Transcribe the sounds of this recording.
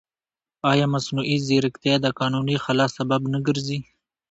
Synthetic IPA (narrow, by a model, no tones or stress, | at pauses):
ɑjɑmasnuʔiziɾɪkt̪ed̪əkɑnunixalɑsababnəɡəɾzi